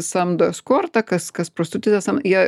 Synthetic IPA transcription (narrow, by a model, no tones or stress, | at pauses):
sɐmd̪ɐskoːrt̪ɐkɐskɐspɾost̪ʊt̪ʲɪt̪ɐsɐmjiɛ